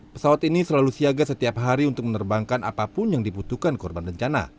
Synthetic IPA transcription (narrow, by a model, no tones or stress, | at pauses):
pə̥sawat̪inisəlalusiaɡasət̪iapɦaɾiunt̪ʊk̚mənərbaŋkanʔa̰papʊnjaŋdibut̪ukankɔrbanbəɲt͡ʃana̰